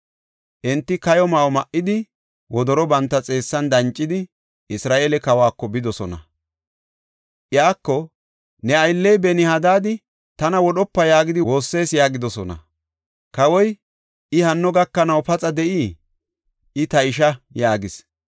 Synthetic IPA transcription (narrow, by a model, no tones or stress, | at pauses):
ʔɛnt̪ːɪkɐjɔmɐɔmɐʔːɪd̪ɪ | wɔd̪ɔɾɔbɐnt̪ːɐt͡sʼe̞ːsːɐnd̪ɐnt͡ʃʼːɪd̪ɪ | ɪsɾaːʔeːlɛkɐwaːkːɔbɪd̪ɔsɔnɐ̰ | ʔɪjaːkːɔ | nɛɐjlːɛjbɛnɪhɐd̪aːd̪ɪ | t̪ɐnɐwɔɗɔpːɐjaːɡɪd̪ɪwo̞ːsːe̞ːsjaːɡɪd̪ɔsɔnɐ̰ | kɐwɔj | ʔɪhɐnːɔɡɐkːɐnɐwpɐt͡sʼɐd̪ɛʔiː | ʔɪt̪ɐɪʃ̬ɐjaːɡɪs